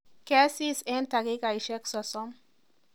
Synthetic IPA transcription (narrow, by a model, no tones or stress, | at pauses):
kɛsisent̪aɡekaiʃɛksɔsɔm